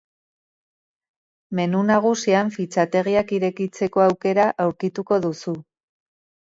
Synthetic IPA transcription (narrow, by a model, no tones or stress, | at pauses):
me̞nunaɣ̞usiaɱfit͡sat̪e̞ɣiakiɾe̞kit͡se̞ko̞awke̞ɾaʔawɾkit̪uko̞ðusu